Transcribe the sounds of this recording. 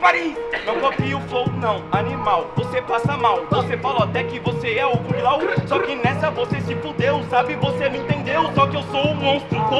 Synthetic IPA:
paɾejnɐ̃w̃kõpiʊfloɡʊnɐ̃w̃animawvosepasɐmawvosefaloat̪ɛkɪvoseɛoɡũlawsɔkɪnɛsɐvosesɪpud̪ewsabɪvoseñĩt̪ẽnd̪ewsɔkɪewsowʊmõst̪ɾʊko

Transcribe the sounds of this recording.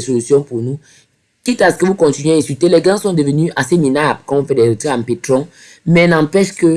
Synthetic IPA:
ɛsolysjɔ̃puʁnu | kit̪asə̥kəvukɔ̃t̪inɥeɛ̃sylt̪elɛɡãsɔ̃d̪əvənyʔaseminabkãɔ̃fɛdɛt̪iãmpet̪ʁɔ̃ | mɛnɑ̃pɛʃkə

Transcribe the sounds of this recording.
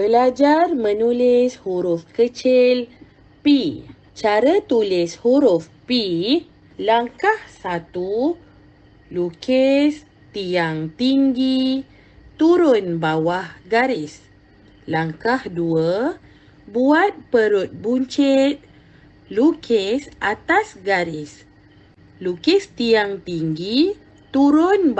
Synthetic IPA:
bəlad͡ʒarmə̃nulɪshuɾʊfkət͡ʃɪl | pi | t͡ʃaɾat̪ulɪshuɾʊf | pi | laŋkahsat̪u | lukes | t̪ijaŋt̪iŋɡi | t̪uɾʊnbawahɡaɾis | laŋkahduə | buat̪̚pəɾut̪̚buɲt͡ʃɛt̪̚ | lukʰesʔat̪asɡaɾis | lukɛst̪iaŋt̪iŋɡi | t̪uɾʊnb

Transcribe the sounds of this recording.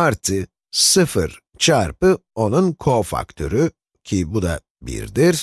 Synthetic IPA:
aɾt̪ʰɯ | sɯfɯ̰ɾ | t͡ʃʰaɾpɯo̞nunkʰo̞fa̰kt̪ʰøɾy | cʰibud̪a̰ | bḭɾd̪iɾ

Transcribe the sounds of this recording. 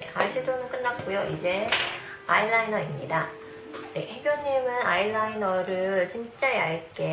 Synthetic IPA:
ḛʔaɭɕʰidonɯnk͈ɯnːap̚k͈ujoʔid͡ʑe̞ | aiɭːainʌimɲida | nehe̞ɡjoɲimɯnaiɭːainʌɾɯɭt͡ɕimt͡ɕ͈aeaɭk͈e̞

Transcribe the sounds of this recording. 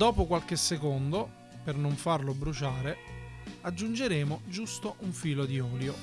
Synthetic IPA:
d̪ɔːpokwalk̟esːekond̪o | pernoɱfarlobɾut͡ʃaːɾe | ad͡ʒːund͡ʒeɾeːmod͡ʒust̪oʔuɱfiːlod̪iɔːljo

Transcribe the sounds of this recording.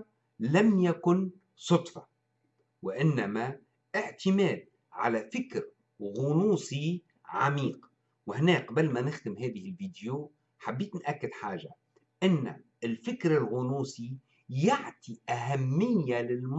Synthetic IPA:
lamjakʊn | sˤʊt̪ˤfɑ̥ | wɪʔɪnːama | ʔɪʕt̪ɪmeːd̪̚ | ʕa̰lafɪkɾ | ɣʊnuːsi | ʕamiːq | wɪhneːkbalmanɪxd̪ɪmɦɛːðɪhɪlviːd̪jo | ħabːiːt̪nʔakːɪd̪ħaːʒa̰ | ʔɪnːa̰ | ɪlfɪkɾɪlɣʊnuːsi | jaʕt̪iʔaɦamːɪjːalɪlm

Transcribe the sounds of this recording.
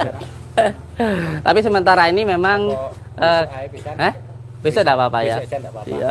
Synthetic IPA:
t̪apisəmənt̪aɾainimemaŋ | ʔəːə | bisadapapajaa̰

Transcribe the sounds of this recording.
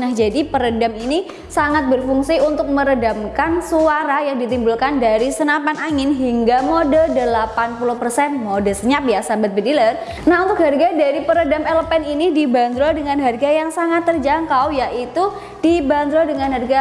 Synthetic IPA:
nahd͡ʒadipəɾədamini | saŋat̪̚bərfuŋsiunt̪ʊk̚məɾədamkansuaɾajaŋdit̪imbulkandaɾisənapanaŋɪnɦiŋɡamodəldəlapanpuluhpərsɛnmodəsəɲap̚jasabat̪̚bədilər | naɦunt̪ʊk̚ɦarɡadaɾipəɾədamɛləpɛninidiband̪ɾodəŋanɦarɡajaŋsaŋat̪ːərd͡ʒaŋkawjaʔit̪u | d̥iband̪ɾodəŋanɦarɡa

